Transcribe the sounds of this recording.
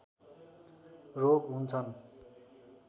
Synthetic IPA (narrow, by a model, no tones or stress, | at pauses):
roɡɦunt͡sʰʌn